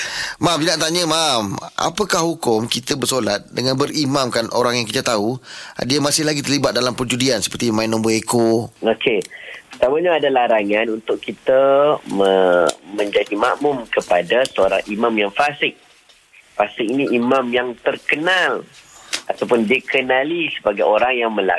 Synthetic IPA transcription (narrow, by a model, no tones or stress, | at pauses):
mamdinaʔt̪aɲəmamʔa̰pəkahɦukʊmkit̪əbərsolat̪̚dəŋanbəɾimamkanʔoɾaŋjaŋkit̪ət̪aua̰diamasɪhlaɡit̪ərlibat̪̚dalampərd͡ʒudiansə̥pərt̪imãɪnɔ̃mboekookʰepət̪amaɲaːdalaɾaŋanunt̪ʊkkit̪əməmə̃ɲd͡ʒadimaʔmʊmkəpadasəoɾaŋimamjaŋfasɪk̚ | fasɪk̚iniʔimãmjaŋt̪ərkənalat̪awpʊndiəkʰənalisəbaɡajoɾaŋjaŋmə̃la̰